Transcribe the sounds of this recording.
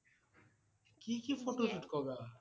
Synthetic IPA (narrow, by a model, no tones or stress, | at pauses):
kikifoʈosuʈkɔɡa